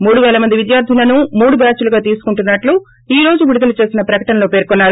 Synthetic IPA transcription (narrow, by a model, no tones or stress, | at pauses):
muːɽuʋɛːlɐmɐnd̪iʋid̪jaːɾd̪ʱilɐnumuːɽubaːt͡ʃuluɡaːt̪̬iːsu̥kuɳʈunːɐʈlu | iːɾo̞ːd͡ʒuʋiɽud̪ɐlut͡ʃe̞ːsinɐpɾɐkɐʈɐnɐloːpe̞ːɾkɔnːaːɾu